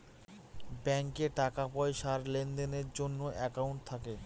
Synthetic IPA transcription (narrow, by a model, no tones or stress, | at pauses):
bɛŋkeʈakapɔeʃaɾlend̪eneɾd͡ʑonːoʔɛkauɳʈ̚t̪ʰake